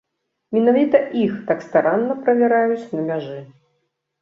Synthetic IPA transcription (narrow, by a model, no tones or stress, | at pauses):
mʲɛnavʲit̪ɐʔixt̪akst̪aɾanːɐpɾɐvʲaɾajut͡sʲnɐmʲaʐɨ